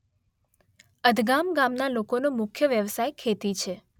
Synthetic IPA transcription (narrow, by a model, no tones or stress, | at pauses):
əd̪ʱɡamɡamnalokonomʊkʰjəʋjəʋsajkʰet̪it͡ʃʰe